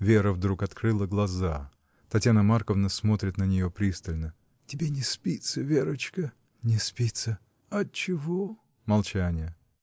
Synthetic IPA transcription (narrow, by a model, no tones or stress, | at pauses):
vʲeɾəvd̪ɾukɐt̪kɾɨlˠəɡlˠɐza | t̪ɐtʲjanəmarkəvnəsmo̞t̪ɾʲɪt̪nənʲɪjopɾʲist̪əlʲnə | tʲɪbʲenʲɪspʲit̪səvʲeɾət͡ɕkə | nʲɪspʲit̪sə | ɐt͡ɕɪvo | mɐlˠt͡ɕænʲɪjə